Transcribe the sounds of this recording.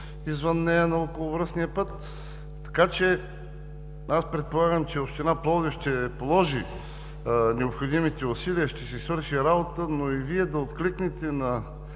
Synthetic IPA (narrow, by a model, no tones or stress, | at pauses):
izvənːɛjənɐɔkolˠovɾəsniəpɤt̪ː | ɐ̥kat͡ʃɛ | aspɾɛt̪̚polˠaɡəmt͡ʃɛopʃt̪ɛnaplˠɔɡ̪əʃt̪ɛpolˠɔʒi | nɛopxod̪imit̪ɛʊsiliəʃt̪ɛsɛsvəɾʃiɾabot̪ənoiviɛd̪ɐot̪kliknɛt̪ɛnɐ